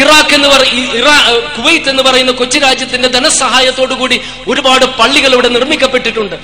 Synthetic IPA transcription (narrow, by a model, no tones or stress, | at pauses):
iraːkːe̞nːɨpɐrɐiraːkuʋɐjt̪ːe̞nːupɐrɐjunːɐkot͡ɕːiɾaːd͡ʑjɐt̪ːinde̞d̪ɐnɐsɐɦaːjɐt̪ːo̞ːɽukuːɽi | o̞ɾubaːɽɨpɐɭːiɣɐɭeʋiɽe̞nirmikʲːɐpːe̞ʈːiʈːuɳɖɨ